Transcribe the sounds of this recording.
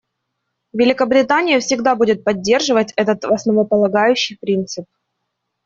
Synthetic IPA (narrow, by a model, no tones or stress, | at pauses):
vʲɪlʲɪkəbɾʲɪt̪anʲɪjəfsʲɪɡd̪abudʲɪt̪̚pɐdʲːe̞rʐɨvətʲɛt̪ət̪vɐsnəvəpəlˠɐɡajʉɕːɪjpɾʲint̪sɨp̚